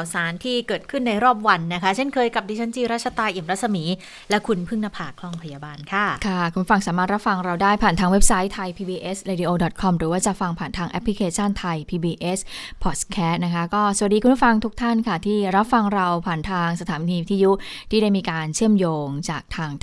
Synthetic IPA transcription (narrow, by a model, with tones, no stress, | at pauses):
a˨˩wsaː˨˩˦nt̪ʰiː˥˩kɤː˨˩t̪̚kʰɯ˥˩nːa˧jɾɔː˥˩p̚wa˧nːa˦˥kʰa˦˥t͡ɕʰe˥˩nkʰɤː˧jka˨˩p̚diː˧t͡ɕʰa˦˥nt͡ɕiː˧ɾa˦˥t̪̚t͡ɕʰa˧t̪aː˧jʔi˨˩əmɾa˦˥sa˧miː˩˦ | lɛ˦˥kʰu˧npʰɯ˥˩ŋna˧pʰaː˨˩kʰlɔ˧ŋpʰa˧jaː˧baː˧nkʰa˥˩kʰa˥˩kʰu˧pʰu˥˩fa˧ŋsaː˩˦maː˥˩t̪̚ɾa˥p̚fa˧ŋɾa˧wdaː˥˩jpʰaː˨˩nt̪ʰaː˧ŋwe˦˥p̚sa˦˥jt̪ʰa˧jpʰiː˧biː˧ʔe˦˥sɾaː˧di˧ʔoː˧dɔ˨˩t̪̚kʰɔ˧mɾɯː˩˦waː˥˩t͡ɕa˨˩fa˧ŋpʰaː˨˩nt̪ʰaː˧ŋʔɛ˦˥pʰːli˧˦kʰeː˧t͡ɕʰa˥˩nt̪ʰa˧jpʰiː˧biː˧ʔe˦˥spʰɔː˨˩t̚kʰɛː˦˥st̪̚na˦˥kʰa˦˥kɔː˥˩su˨˩t̚di˧ku˧pʰu˥˩fa˧ŋt̪ʰu˦˥k̚t̪ʰa˥˩nkʰa˥˩t̪ʰiː˥˩ɾa˦˥p̚fa˧ŋɾa˧wpʰaː˨˩nt̪ʰaː˧ŋsa˧t̪ʰaː˨˩˦niː˧t̪ʰiː˧ju˦˥t̪ʰiː˥˩da˥˩jmiː˧kaː˧nt͡ɕʰɯ˥˩əmjoː˧ŋt͡ɕaː˨˩k̚t̪ʰaː˧ŋ